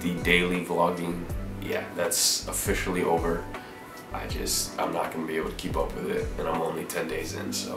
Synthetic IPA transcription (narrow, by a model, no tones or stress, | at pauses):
ðɨdeɪlˠivlɑɡɪ̃ŋjæ̰ðætsəfɪʃl̩ˠiʔoʊvə˞ | ʔaɪd͡ʒʌ̰stãɪ̃mnə̰t̚ɡ̥ʌnəbieɪbl̩ˠtʰəkʰipʌpʰwɨðɪ̰t̚ɨ̃ñãɪ̃mõʊ̃nlitʰɛ̃ndeɪzɪ̰̃nsoʊ